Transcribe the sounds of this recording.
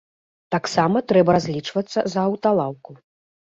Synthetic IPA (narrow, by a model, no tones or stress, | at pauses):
t̪aksamɐt̪ɾɛbɐɾazʲlʲit͡ʂvɐt̪sːɐ̰zɐːwt̪alˠawku